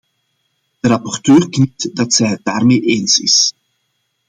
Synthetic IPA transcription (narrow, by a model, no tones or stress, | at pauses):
d̥əɾɑpɔrtøːrknitdɑtsɛjɦət̚daːrmeːʔeːnsɪ̰s